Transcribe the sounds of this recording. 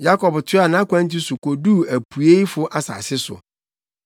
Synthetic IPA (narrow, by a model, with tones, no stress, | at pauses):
ja˦kʰɔ˨btʰɪ˦a˨nã˦kʷʰã˦n˦t̬i˦sʊ˨kʰo˨du˦æ˨pʰu˨e˦i˦fʊ˦ʔa˦sa̰˨sɪ˦sʊ̰˨